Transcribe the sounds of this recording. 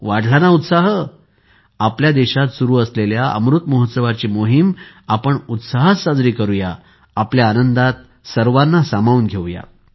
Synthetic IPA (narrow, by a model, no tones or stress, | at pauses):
ʋaɽ̤ʱlanaut̪saɦə | apljad̪eɕat̪suɾuːəsleljaə̰mɾut̪moɦət̪səʋat͡ɕimoɦim | apəɳut̪saɦasad͡zɾiːkəɾujaː | pljaːnənd̪at̪̚ | səɾʋanːasamauːnɡʱeʋja̰